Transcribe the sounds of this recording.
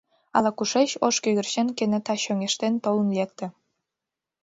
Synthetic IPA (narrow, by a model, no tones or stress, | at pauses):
ɑlˠɑkuʂeɕoʃkʲøɣʲɘ̆rɕĕnkenĕt̪ɑɕøŋʲeʃt̪ent̪ŏlunlʲek̚t̪ɘ̆